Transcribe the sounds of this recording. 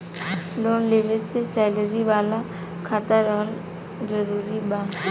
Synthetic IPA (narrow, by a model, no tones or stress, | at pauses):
loːnleʋest͡ʃʰesɛːləɾiʋaːla | kʰat̪əɾɔːɾ | d͡ʒəɾuːɾibaː